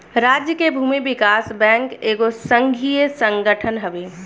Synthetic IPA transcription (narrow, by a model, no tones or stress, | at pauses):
ɾaːd͡ʒjəkebʱuːmiʋɪkaːsbɛ̃ːŋkeːɡosə̃ŋɡʱijəsə̃ŋɡəʈʰənɦəʋeː